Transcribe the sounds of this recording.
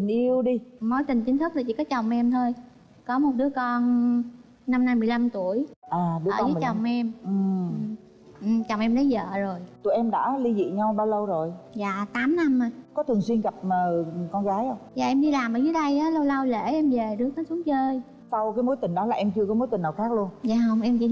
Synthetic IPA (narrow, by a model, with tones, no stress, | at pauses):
ï˨˩ŋ̟ʔi˧əwɗi˧mo˨˦jt̪ï˨˩ŋ̟t͡ɕi˨˦ŋt̪ʰɨ˦˥k̚laː˨˩t͡ɕḭ˧˩kɔ˨˦t͡ɕə˨˩wŋ͡mʔɛ˧mt̪ʰəː˧j | kɔ˨˦mo˨˩t̚ɗɨ˨˦əkɔ˧n | na˧mna˧mːɨ˨˩əjla˧mt̪u˧˩əjʔaː˨˩ɗɨː˨˦˧ə˨˦˨t͡ɕɔ˨˩wŋ͡mʔɛ˧mʔɨ˨˩ | ʔɨ˨˩mt͡ɕɔ˨˩wŋ͡mʔɛ˧mɗə˨˦jzə̰ː˧˨zo˨˩jt̪ṵ˧˩jʔɛ˧mɗa̰ː˧˥li˧zḭ˧˨ɲa˧wɓaː˧wlə˧wzo˨˩jza̰ː˧˨t̪aː˨˦mna˧mː˨˩kɔ˨˦t̪ʰəŋswi˧ənɣa˨˩p̚məː˨˩kɔ˧nɣaː˨˦jʔə˧wŋ͡mza̰ː˨ʔɛ˧mɗi˧laː˨˩mʔəː˨˧˦jvəː˨˦ɗə˧jʔaː˨˦lə˧wla˧wlḛ˧˩ʔɛ˧mve˨˩ɗɨ˨˦əkaː˨˦nsu˨˦ŋt͡ɕəː˧j | sa˧wkaː˨˦jmo˨˦jt̪ï˨˩ŋ̟ɗɔ˨˦laː˨˩ʔɛ˧mt͡ɕɨ˧əkɔ˨˦mo˨˦jt̪i˨˩naː˨˩wxaː˦˥k̚lu˧ənzaː˨˩hə˧wŋ͡mʔɛ˧mt͡ɕḭ˧˥